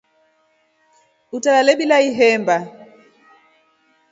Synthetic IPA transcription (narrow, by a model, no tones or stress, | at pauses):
utalalɛɓilaiɦɛmba